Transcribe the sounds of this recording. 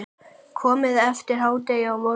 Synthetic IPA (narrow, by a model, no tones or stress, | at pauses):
kʰɔːmɪðɛft̪ɪɾ̥ɦaːwt̪ejaawmɔ